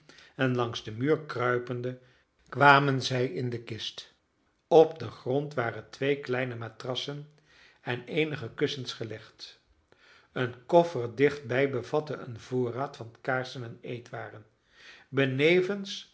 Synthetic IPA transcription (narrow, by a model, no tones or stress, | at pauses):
ɛnlɑŋzdəmyːɹkrœɥpəndə | kʋaːmənzɛjɪndəkɪst | ɔp̚dəχrɔntʋaːrəntʋejklɛjnəmaːtrɑsən | ɛnejnəχəkɵsənsχəlɛχt | ənkɔfəɹdɪχd̚bɛjbəvɑtəə̰nvoːraːtfɑntkaːɹsənɛnejtʋaːrən | bənejvəns